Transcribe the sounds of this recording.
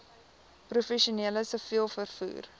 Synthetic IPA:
prufɛʃuniələsəfilˠfərfṵːr

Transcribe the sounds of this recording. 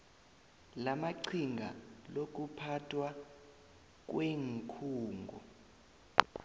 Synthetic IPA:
lamaǀʰiŋɡʱa̰lok̬ʼupʰatʰwa | k̬ʼweŋkʰuːŋɡʱɔ̰

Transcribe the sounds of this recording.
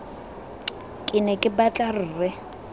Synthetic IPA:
kʼɪnɛkʼɪbat͡ɬʼar̩ːrɪ

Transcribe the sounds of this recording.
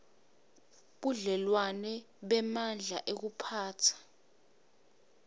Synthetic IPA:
ɓuɮɛlwanɛ | ɓɛmand͡ɮʱaʔek̬upʰaːtʰḁ

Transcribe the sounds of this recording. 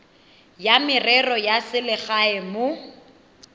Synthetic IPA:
jamɪrɛrɔjasɪlɪɣaɛmʊ

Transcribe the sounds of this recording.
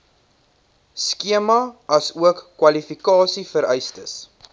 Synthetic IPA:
skiəmɐɐsuəkːwɐlifikɑːsifəɾɛjstəs

